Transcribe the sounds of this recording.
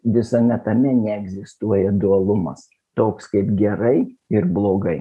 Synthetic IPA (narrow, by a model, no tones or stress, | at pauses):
ʋʲɪsɐmʲɛt̪ɐmʲɛnʲɛɛɡzʲɪst̪uɔjɛd̪uɐlˠʊmɐ̰s | t̪oːkskɐɪpɡʲɛɾɐɪɪɾblˠoːɡɐɪ